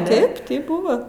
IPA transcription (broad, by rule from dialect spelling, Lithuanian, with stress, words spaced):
ˈtɐɪp tɐɪp ˈbʊʋɐ